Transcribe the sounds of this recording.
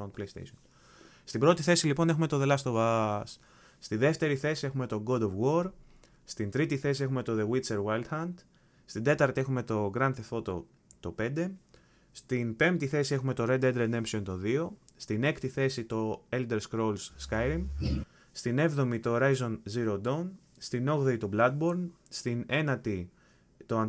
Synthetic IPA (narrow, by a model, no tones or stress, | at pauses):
ond̪plejst̪ḛjson | st̪ibɾot̪iθe̞silipo̞ne̞xume̞t̪o̞ðe̞lɐst̪o̞vɐsː | t̪iðe̞ft̪e̞ɾiθe̞sie̞xume̞t̪o̞ɡo̞d̪ovɣo̞ɾ | st̪int̪ɾit̪iθe̞sie̞xume̞t̪o̞ðeɣwit̪seɾwalt̪xɐnd̪̥ | st̪ind̪e̞t̪ɐɾt̪iexume̞t̪o̞ɡɾɐnθefo̞t̪o̰ | t̪o̞pe̞nd̪e̞ | st̪inpe̞mt̪iθe̞sie̞xume̞t̪o̞ɾe̞d̪ed̪ɾed̪e̞msio̞nt̪o̞ðio̞st̪ine̞kt̪iθe̞sit̪o̞eld̪eɾskɾo̞lsskɐjɾim | st̪ine̞vðo̞mit̪o̞ːɾɐjzo̞nziɾo̞d̪on | st̪ino̞ɣðeit̪oblɐd̪̚bo̞ɾn | st̪ine̞nɐt̪i | t̪o̞ɐn